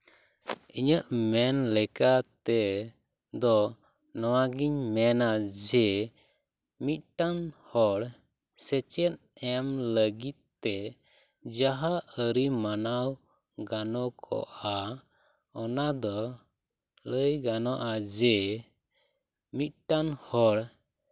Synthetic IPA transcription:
iɲəʔmɛnlɛkat̪ɛ | d̪ɔ | nɔwaɡiɲmɛnad͡ʒɛ | mit̪̚ˀʈanhɔɽ | sɛt͡ʃɛt̪̚ɛmləɡit̪̚t̪ːɛ | d͡ʒaɦaəɾimanaw | ɡanɔkʰɔ̰ʔa | ɔnad̪ɔ | ləjɡanɔʔad͡ʒɛ | mit̪̚ʈanhɔɽ

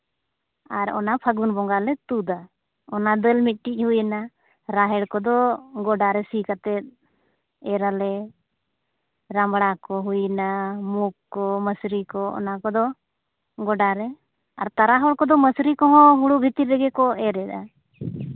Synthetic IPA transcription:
aɾɔ̰napʰəɡunbɔŋɡalɛt̪ud̪a | ɔnad̪əlmit̪̚ˀʈic̚ˀhujna | ɾaɦɛɽkɔd̪ɔɡɔɖaɾɛsikat̪ɛt̪̚ˀ | ɛɾalɛ | ɾambɽakɔɦujnamukːɔməsɾikɔɔ̰nakɔd̪ɔ | ɡɔɖaɾɛ | a̰ɾt̪aɾaɦɔɽkɔd̪ɔməsɾikɔ̃ɦɔ̃ɦuɽubʱit̪iɾɛɡɛkɔɛɾɛd̪a

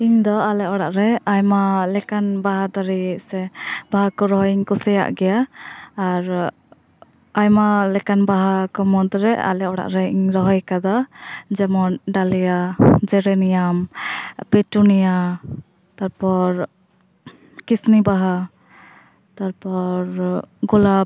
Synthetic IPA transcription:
iɲd̪ɔalɛɔɽaʔɾɛajmalɛkanbaɦad̪aɾisɛbaɦakɔɾɔɦɔiɲkɔsɛja̰ʔɡɛjaː | ɾ | ajmalɛkanbaɦakɔmɔd̪ɾɛ̰a̰lɛʔɔɽa̰ʔɾɛiɲɾɔɦɔjkad̪ad͡ʒɛmɔnɖalijad͡ʒɛɾɛnijampɛʈunija | t̪aɾpɔɾ | kisnibaɦa | t̪aɾpɔɾɡula

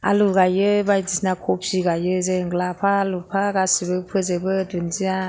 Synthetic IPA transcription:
a̰luɡajɯbajdisnakʰɔp̚siɡajɯzeŋɡlapʰaːlupʰaɡasibɯpʰɯzebɯdunzia

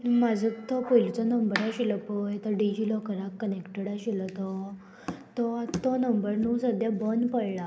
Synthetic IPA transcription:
numad͡zʱət̪ɔpojlt͡sanəmbəɾaɕilɔpəjt̪əɾɖid͡ʑilɔkəɾakːənekʈeɽaɕilɔt̪ɔ | t̪ɔt̪ɔnəmbəɾnuːsəd̪ʱjabənpəjɭa

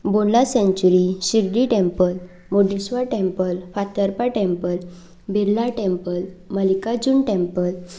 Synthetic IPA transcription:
bolasɛ̃ɲt͡ɕuɾiɕiɾɖiʈɛ̃mpəl | moɖisʋaʈɛ̃mpəlfat̪əɾpaʈɛ̃mpəl | beɾlaʈɛ̃mpəlməlikad͡ʑunʈɛ̃mpəl

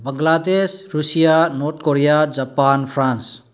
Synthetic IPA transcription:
bɐŋɡlad̪esɾusijanoɾt̪ʰkoɾijad͡ʒapanpʰɾans

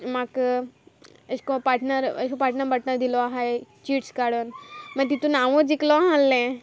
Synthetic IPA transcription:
mak | əɕkõpaʈnəɾə̰ʃkõpaɾʈnəpəʈnəɾd̪ilɔaɦaet͡ɕiːʈskaɽonmət̪it̪ũnaʋõd͡ziklɔaɦãlːɛ̃

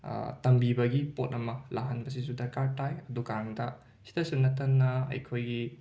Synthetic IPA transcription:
tɐmbibɐɡipot̚ɐmɐlaɦɐnbɐs̬isudɐkaɾtajɐdukaɾaŋdɐ | si̥dɐsunːɐtːɐnːɐɐ̰jkʰojɡi

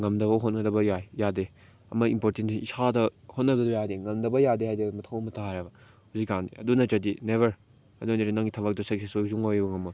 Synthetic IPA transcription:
ŋɐmdɐβɐɦotnŋɐdɐbɐjajjade | ɐ̰mɐimpoɾtentiisadɐhot̚nɐdɐdbɐjajdeŋɐmdɐbɐjadehajdemɐtʰɐwɐmɐtʰaaɾɐbɐ | huzikːandiɐdunɐt͡ʃɐdineβɐɾ | ɐdunɐɾinɐŋɡitʰɐβɐk̚dɐsɐk̚sʰesozuŋojbɐŋɐmɐ

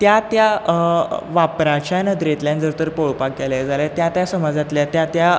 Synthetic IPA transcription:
t̪jat̪ja | ʋapɾãt͡ɕanəd̪ɾẽt̪ljãnd͡zəɾt̪əɾpoɭpakɡɛljad͡zaljat̪jat̪jasəmad͡zat̪ljat̪jat̪ja

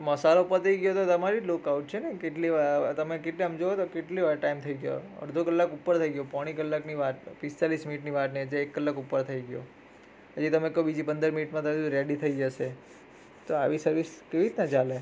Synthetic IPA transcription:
məsaloupəɾt̪ʰəiɡjot̪ot̪əmaɾilokauʈ̚t͡ʃʰenekeʈliʋat̪əmekeʈliəmd͡ʒoot̪okeʈliʋaɾʈaimt̪ʰəiɡjo̰ə̰ɾd̪ʱokəlːakupːəɾt̪ʰəiɡjopaɽ̃ikəlːakniʋaʈpɪst̪alisminiʈniʋaʈ̪niəd͡ʒeekːəlːakupːəɾt̪ʰəiɡjo̰ | ɦəd͡ʒit̪əmek̪obid͡ʒipənd̪əɾminiʈmãt̪əɾeɽit̪ʰəid͡ʒəʃe | t̪oaʋisəɾʋiskeʋiɾt̪nat͡ʃale

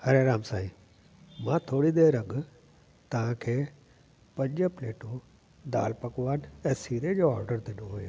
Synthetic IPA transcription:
hɐɾeɾaːmsaːĩː | mãt̪ʰoːɽid̪eːɾɐɠʊ | t̪ɐʋ̤ãkʰeː | pɐ̃ɲd͡ʑəpleːʈũ | d̪a̰ːlpɐkʋaːnɛ̃ːsiːɾed͡ʑoːɔːɾɖəɾd̪ɪnoɦujoː

